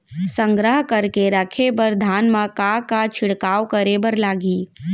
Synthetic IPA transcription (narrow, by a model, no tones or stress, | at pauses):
sə̃ŋɡɾəɦkəɾkeɾɐkʰebəɾd̪ʱaːnmãkakat͡ʃʰɪɽkaːwkəɾebəɾlaːɡiː